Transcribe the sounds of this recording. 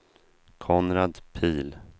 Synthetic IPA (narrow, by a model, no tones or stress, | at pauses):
kʰɔnɾad̪pʰiːl